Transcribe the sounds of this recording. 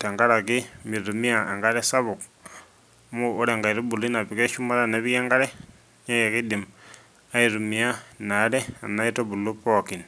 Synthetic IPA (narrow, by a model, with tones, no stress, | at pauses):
ta˨ŋɡa˦ɾa˨kimi˨ɾumi˦a˨eŋɡaɾe˦sa˦βu˨k | muː˦ɾeŋɡa˨iɾu˦bu˨lu˦na˨βike˦ʃumaɾa˦naβieːŋɡaɾe˦ | ɲejekidim | a˦iɾumia˦naɾe˦a˨na˦itobu˨lupoki˨n